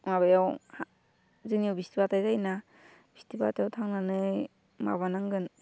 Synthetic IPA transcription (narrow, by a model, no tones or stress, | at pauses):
maβajawha | zɯnijuwbistibatajɡajna | b̥istibatajawtʰaŋnanɯj | ma̰βanaŋɡɯn